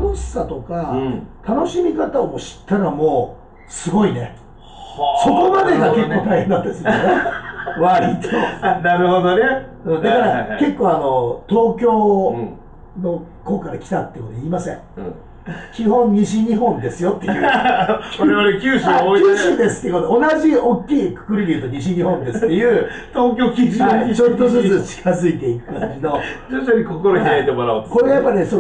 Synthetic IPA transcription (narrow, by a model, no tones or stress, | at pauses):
noɕi̥sat̪o̞kat̪ano̞ɕimʲikat̪aomoɕi̥t̪ːaɾamo̞ː | sɨɡo̞ine̞ | so̞ko̞mad̪e̞ɡake̞k̪ːo̞ːt̪ʰajhenːat̪ːad̪esneβaɾit̪ʰenaɾɯ̟hod̪one | dd̪akaɾake̞kːoːano̞t̪o̞ːkʲo̞ː | no̞ | ko̞ːkaɾakʲi̥t̪at̪ːejɯkoiːmasẽ̞̰ŋɯ̃ | kʲihõ̞ɲɲiɕiɲ̟iɦõ̞nd̪e̞sɨjo̞t̪ːe̞jɯkoɾeβaɾekʲɨːɕiaoiɕid̪e̞sɨ̥t̪ːekot̪eonaʑiokʲːiːkɯ̟̥kɯ̟ɾʲid̪ʲiɯ̟t̪oɲiɕiɲ̟iɦõ̞nd̪e̞sɨ̥t̪ːejɯ̟ː | t̪o̞ːk̬ʲo̞ːkʲiʑioɲɲit͡ɕot̪ːozɨt͡sɨt͡ɕi̥kazɨit̪e̞ikɯ̟̥kaɲd͡ʑino̞d͡ʑot͡ɕoɲikokoɾokʲiaet̪e̞moɾaɯt̪ko̞ɾeajapːaɾʲneso